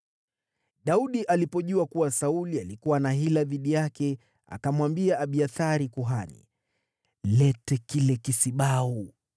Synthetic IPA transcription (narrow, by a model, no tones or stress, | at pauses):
ɗauɗiʔalipɔʄuakuwasaulialikuwanaɦilaðiɗijakɛ | a̰kamwambiaʔːɓiaθaɾikuɦanḭ | lɛtɛkilɛkisiɓau